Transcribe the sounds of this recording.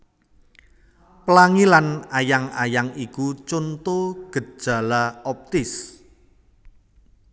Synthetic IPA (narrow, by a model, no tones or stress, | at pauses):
pəlaŋilanajaŋajaŋikut͡ʃont̪oɡ̥ə̤̥ʒ̥a̤laɔp̚t̪ɪs